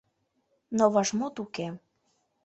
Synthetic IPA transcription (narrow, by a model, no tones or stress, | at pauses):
noβɑʒmot̪uke